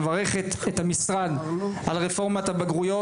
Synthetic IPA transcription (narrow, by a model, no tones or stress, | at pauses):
vaʁeχet̪et̪hamisʁanalʁefo̞ʁmat̪abaɡʁujo